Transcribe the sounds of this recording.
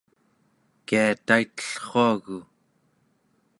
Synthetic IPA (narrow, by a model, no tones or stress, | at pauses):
kiat̪ait̪ə̥ɬχoaɣu